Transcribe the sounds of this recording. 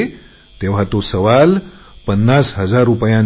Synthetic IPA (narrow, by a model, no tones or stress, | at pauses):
t̪eʋ̤at̪osəʋalpənːasɦəd͡zaɾːupjãn